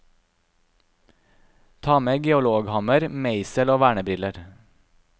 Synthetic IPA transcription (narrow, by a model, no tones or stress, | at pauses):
t̪ʰɑːmeːɡɛʊloːɡhɑməɾmeɪsəloːʋæːɳəbɾɪləɾ